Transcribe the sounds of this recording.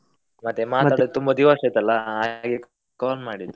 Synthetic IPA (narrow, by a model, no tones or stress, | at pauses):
mɐt̪ːemaːt̪aːɽt̪umbɐd̪iʋasɐjt̪ɐlːɐaːɡe | kaːlmaːɽid̪u